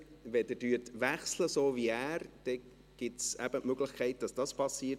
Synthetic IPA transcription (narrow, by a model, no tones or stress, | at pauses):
vɛdɛdyətʋæχsləsoːviæːɾd̥ɛ | ɡ̥ɪtsæ̰b̥ətmøɡlɪχkʰɛɪt̚d̥ɑsd̥ɑspʰɑsiː